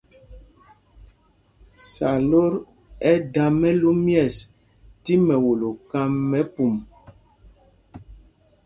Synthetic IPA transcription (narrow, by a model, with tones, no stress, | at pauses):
sa˨lo˦ɾ | ɛ˦da˨mɛ˦lu˦mjɛ˦˨s | ti˦mɛ˨wo˨lo˨ka˦mːɛ˦pu˨m